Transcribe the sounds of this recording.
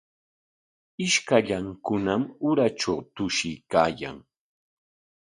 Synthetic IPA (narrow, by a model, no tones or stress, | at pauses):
ɪʃkaʎaŋkʊnamʊɾaʈ͡ʂawt̪ʊʃɪjkaːja̰ŋ